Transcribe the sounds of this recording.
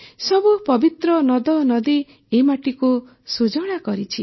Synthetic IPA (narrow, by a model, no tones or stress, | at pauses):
sɔbupɔbit̪ɾɔnɔd̪ɔnɔd̪i | emaʈiku | sud͡ʒɔɽ̃akɔɾit͡ʃʰi